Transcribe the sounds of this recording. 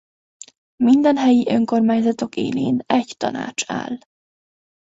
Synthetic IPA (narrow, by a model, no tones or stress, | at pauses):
mind̪ɛnɦɛjiʔø̞ŋko̞rmaːɲzɒt̪o̞kḛːleːnɛɟt̪ɒ̰na̰ːt͡ʃa̰ːl